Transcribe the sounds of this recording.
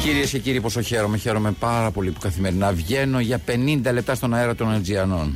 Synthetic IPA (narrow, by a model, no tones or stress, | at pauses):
ciɾie̞sce̞ciɾipo̞soçe̞ɾo̞me̞çe̞ɾo̞me̞pɐɾɐpo̞lipu̥kɐθime̞ɾinɐvʝe̞no̞ʝɐpe̞nind̪ɐlep̚t̪ɐst̪o̞nɐeɾɐt̪o̞nɐnd͡ziɐno̞n